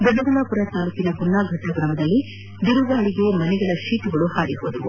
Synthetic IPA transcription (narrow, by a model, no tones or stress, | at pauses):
b̪ɛbɐɾunaːpuɾɐt̪aːluːkinɐpunːaːɡʱɐʈːɐɡɾɐmɐd̪ɐlːi | d̪uɾuʋaːɭiɡe̞mɐnɛɡɐɭɐʃiːʈuɡɐɭuhaːɾiɦoːd̪ɐʋṵ